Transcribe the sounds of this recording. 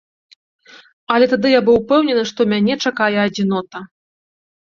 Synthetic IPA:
ɐlʲɛt̪ad̪ɨjabɨwpɛwnʲɛnɨʂt̪ɔmʲanʲɛt͡ʂakajɛɐd͡zʲinɔt̪ɐ

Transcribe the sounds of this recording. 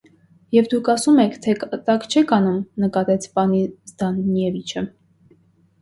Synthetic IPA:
jɛvd̪ukʰɑsumɛkʰt̪ʰɛkt̪ɑkt͡ʃʰɛkʰɑnumnəkɑt̪ɛt͡sʰpɑnizd̪ɑnmjɛvit͡ʃʰə

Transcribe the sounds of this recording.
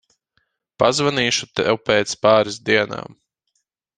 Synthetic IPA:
pazvaniːʃut̪ɛwpɛːt̪spaːɾizd̪iɛna̰ːm

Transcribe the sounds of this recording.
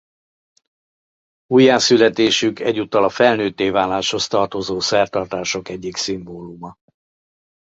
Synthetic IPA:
ujaːsylɛt̪eːʃykʰɛɟːut̪ːɒlɒfɛlnøːt̪ːeːvaːlaːʃho̞st̪ɒrt̪o̞zoːsɛrt̪ɒrt̪aːʃo̞kɛɟːiksimboːlumɒ

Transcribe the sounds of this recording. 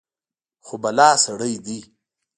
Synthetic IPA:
xobɐlɑːsɐɽəjd̪i

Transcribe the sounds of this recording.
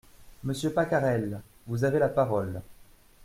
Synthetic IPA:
məsjøpakaʁɛl | vuzavelapaʁɔl

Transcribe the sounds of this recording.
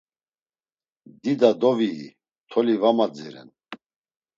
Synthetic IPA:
d̪id̪ad̪ɔvḭː | t̪ʰɔlivamad͡zɛɾɛ̰n

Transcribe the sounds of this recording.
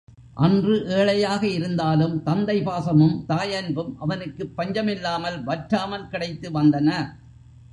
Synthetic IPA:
ʔɐndrɯʔeːɭɐjaːɣɐɪɾɯnd̪aːlɯmt̪ɐnd̪ɐɪpaːsɐmɯmt̪aːjɐnbɯmʔɐʋɐnɯkːɯpːɐɲd͡ʒɐmɪlːaːmɐlʋɐʈɾaːmɐlkɪɽɐɪt̪ːɯʋɐnd̪ɐnɐ

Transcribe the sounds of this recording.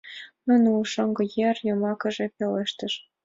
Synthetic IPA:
mə̆nʲulʃɤŋɡɤ̆jerjɤ̆mɑkɤ̆ʒĕpʲeleʃt̪ə̆ʃ

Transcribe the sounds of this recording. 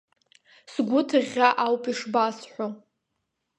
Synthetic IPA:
sɡʷʊtʰɨʁʲaʔawpʼiʂbasħʷo

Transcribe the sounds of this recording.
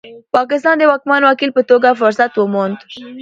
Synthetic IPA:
pɑkɪst̪ɑnd̪əwɑkmɑnwakilpət̪oɡafʊɾsat̪wəmond̪

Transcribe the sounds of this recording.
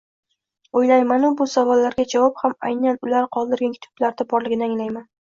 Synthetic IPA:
ojlajmanʊbʊsavɒlːaɾɡʲad͡ʒavɒphamajnanʊlaɾqʰɒlˠd̪ɪɾɡʲankʲʰɪt̪ʰʊ̥blaɾd̪abɒɾlɪɡʲɪnɪaŋlajman

